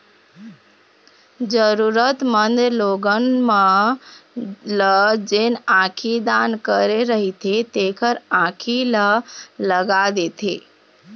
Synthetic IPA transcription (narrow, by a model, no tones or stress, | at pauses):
d͡ʒəɾuɾət̪mənd̪loɡənmə | ləd͡ʒenãkʰid̪ankəɾeɾəɦit̪ʰet̪ekʰəɾãkʰilələɡad̪et̪ʰe